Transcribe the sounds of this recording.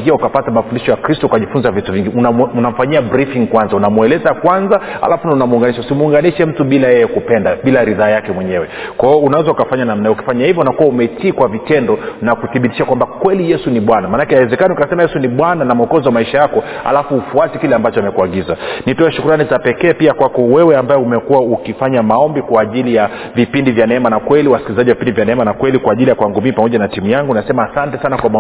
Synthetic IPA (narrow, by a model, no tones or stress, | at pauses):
ŋɡiaukapatamafundiʃɔjakɾistɔukaʄifunzavituviŋɡiununam̩faɲiabɾifiŋkwanzaunamuɛlɛzakwanzaa̰lʔafunaunamuːŋɡaniʃausimuuŋɡaniʃɛm̩tuɓilajɛjɛkupɛndaɓilaɾiðaːjakɛmwɛɲɛwɛkwaɔunawɛzaukafaɲanamnaɛuki̥faɲahivjɔunakuwaumɛt͡ʃiːkwavitɛndɔnakuθiɓiti̥ʃakwambakwɛlijɛsuniɓwanamanakɛhawɛzɛkaniukasɛmajɛsuniɓwananam̩ɔkɔziwamaiʃajakɔha̰lafuːfuatikilɛambat͡ʃɔamɛkuaɠizanitɔɛʃukuɾanizapɛkɛːpiakwakɔwɛwɛambaɛumɛkuwaukifaɲamaɔmbikwaːʄilija | vipindivjanɛɛmanakwɛliwasi̥kilizaʄiwavipindivjanɛɛmanakwɛlikwaːʄilijakwaŋɡumipamɔʄanatimujaŋɡunasɛmaːsantɛsanakwam